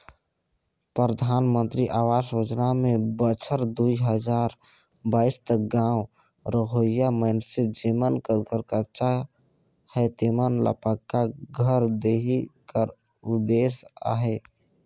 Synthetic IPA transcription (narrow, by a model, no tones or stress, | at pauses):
pɾəd̪ʱaːnmə̃nt̪ɾiʔaːwaːsjoːd͡ʒnamẽbət͡ʃʰəɾd̪uiɦəd͡ʒaːɾ | baːist̪ək̚ɡãːw | ɾəɦojjamənsed͡ʒimənkəɾkəɾkət͡ʃa | hɛt̪emənlə̰pəkːaɡʱəɾd̪eɦikəɾ | ʊd̪eːsa̰ːɦe